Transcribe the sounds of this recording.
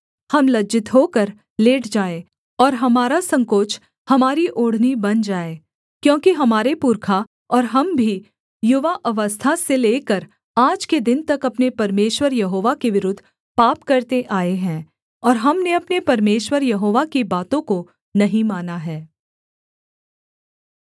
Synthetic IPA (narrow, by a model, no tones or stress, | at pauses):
hɐmlɐd͡ʒɪt̪ɦoːkəɾ | leːʈʰd͡ʒaːe | ɔːɾɦɐmaːɾasɐ̃ŋkoːt͡ʃʰ | hɐmaːɾiʔoːɽ̤nibɐnd͡ʒaːe | kjõːkiɦɐmaːɾepʊɾkʰa | ɔːɾɦɐmbʱi | jʊʋaʔɐʋəst̪ʰaseleːkəɾ | aːd͡ʒked̪ɪnt̪ɐkɐpnepɐɾmeːʃwəɾjɐɦoːʋakeʋɪɾʊd̪ʱː | paːpkɐɾt̪eʔaːeɦɛ̃ː | ɔːɾɦɐmneɐpnepɐɾmeːʃwəɾjɐɦoːʋakibaːt̪õko | nɐɦĩmaːnaɦɛː